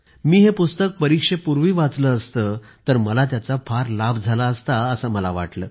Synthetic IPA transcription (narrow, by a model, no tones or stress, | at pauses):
miːɦepust̪ək̚pəɾikʂepuɾʋiːʋat͡sləːst̪əːt̪əɾməlat̪̬jat͡safaɾlabd͡zʱalaəst̪aəsəməlaʋa̰ʈlə̰ː